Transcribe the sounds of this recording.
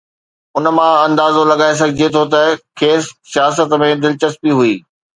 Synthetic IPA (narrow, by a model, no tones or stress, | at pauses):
ʊnə̆mãɐ̃nd̪aːzolɐɠaːes̬ɐɡʱɪd͡ʑet̪ʰot̪ɐkʰeːsːijaːsət̪mẽd̪ɪlt͡ɕəspiɦuiː